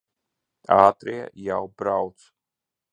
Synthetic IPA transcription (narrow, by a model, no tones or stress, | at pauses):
aːt̪ɾiɛjawbɾawt̪s